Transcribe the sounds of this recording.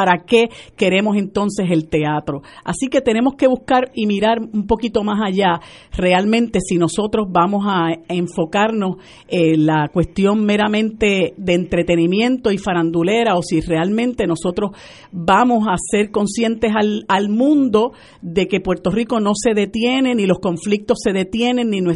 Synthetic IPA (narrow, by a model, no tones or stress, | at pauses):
paɾake̞ke̞ɾe̞mo̞se̞nt̪o̞nse̞se̞lt̪e̞at̪ɾo̞a̰sike̞t̪e̞ne̞mo̞hke̞βuhkaɾimiɾaɾumpo̞kit̪o̞masaʝa | re̞almẽnt̪e̞sino̞so̞t̪ɾo̞szβamo̞saeɱfo̞kaɾno̞s | elakwe̞st̪jo̞ŋme̞ɾamẽnt̪e̞ðe̞ːnt̪ɾe̞t̪e̞nimjẽ̞nt̪o̞ifaɾand̪ule̞ɾao̞sire̞almẽ̞nt̪e̞no̞so̞t̪ɾo̞s | bamo̞sase̞ɾko̞nsje̞nt̪e̞salalmũnd̪o̞ | ðe̞ke̞pwe̞ɾt̪o̞riko̞no̞se̞ðe̞t̪je̞ne̞nilo̞sko̞ɱflik̚t̪o̞sːe̞ðe̞t̪je̞nẽ̞nːinwe